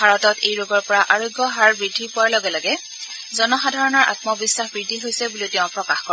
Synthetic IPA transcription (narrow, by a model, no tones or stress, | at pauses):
bʱaɹɔtɔtʰejɹoɡɔɹpɔɹaʔaɹojɡːɔɦaɹbɹidʱipʊwaɹlɔɡɛlaɡɛ | zɔnɔxadʱaɹɔnɔɹʔa̰tmɔbisːaxbɹidʱiɦojsɛbulitɛʊ̃pɹɔkaxkɔ